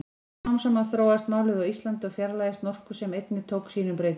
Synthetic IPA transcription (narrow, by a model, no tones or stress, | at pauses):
awmsɛmaðθɾoːwast̪maːwlʏðawist̪lant̪ɪɔwfjɛɾlaːjɪst̪nɔr̥kʏsɛmejt̪nɪt̪ʰoːwksiːnʏmpɾeːjt̪